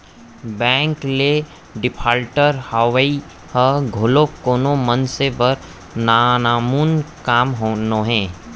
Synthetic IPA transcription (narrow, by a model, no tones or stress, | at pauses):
bɛ̃ːŋkle | ɖɪpʰaːlʈəɾhaːʋəi | həɡʱʊlokoːnomənsebəɾ | naːnaːmunkaːmɦoːnoɦɛ̃ː